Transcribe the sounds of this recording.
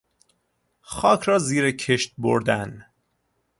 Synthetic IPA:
xɒːkʰɾɒːziːɾekʰeʃt̪̚bo̰ɾd̪æn

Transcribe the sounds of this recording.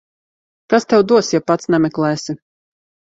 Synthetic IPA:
kast̪ɛwd̪uɔsjapat̪snɛmʲɛklˠɛːsi

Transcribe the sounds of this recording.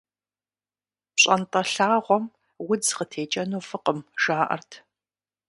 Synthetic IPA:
pɕʼɐntʼɐɬaːʁʷɔm | wʊd͡zqətʰeːt͡ʃʼɐnuːfɨqəmʒaːʔɐ̰rtʰ

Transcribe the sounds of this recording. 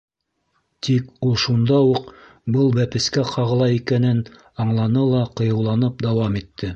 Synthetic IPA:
t̪ʰikulˠʃund̪ɑwuq | bɤlˠbæpɘ̆skæqʰɑʁɤ̆lˠɑjikænɘn | ɑɴlˠɑnɤlˠɑqŏjɤ̆wlˠɑnɤp̚d̪ɑwɑmit̪ːɘ

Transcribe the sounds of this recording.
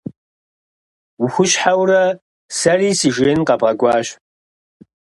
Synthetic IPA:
wʊxʷʊɕħawrɐ | sɐriːsiːʒeːnqɐpʼɐɡʷʼɑːɕ

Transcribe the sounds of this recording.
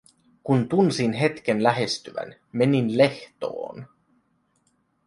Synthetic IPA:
kunt̪unsinɦe̞t̪k̟enlæɦest̪yʋæ̰n | me̞ninle̞ht̪o̰ːn

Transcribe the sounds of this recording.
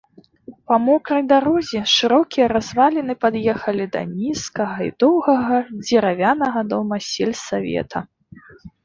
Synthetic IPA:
pɐmɔkɾɐjd̪aɾɔzʲɛʂɨɾɔkʲijɐɾazvalʲɛnɨpad̪jɛxɐlʲid̪ɐ̰nʲiskɐɣɐḭd̪ɔwɣɐɣɐd͡zʲɛɾavʲanɐɣɐd̪ɔmɐsʲɛlʲsavʲɛ̰t̪ʰɐ

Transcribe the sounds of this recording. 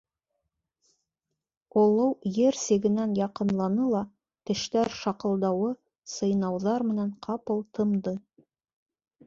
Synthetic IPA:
ŏlˠɤwjeɾsĕɡɘ̆nænjɑqɤ̆nlˠɑnɤlˠɑ | t̪ɘ̆ʃt̪æɾʃɑqɤ̆lˠd̪ɑwɤ | sɤ̆jnɑwðɑɾmɘ̆nænqʰɑpɤlˠt̪ʰɤ̆md̪ɤ

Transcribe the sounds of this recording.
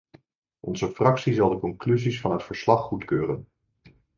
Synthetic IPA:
ʔɔnzəfrɑksizɑlˠdəkɔŋklyzisfɑnɦətfəɹslɑχːutkøːrən

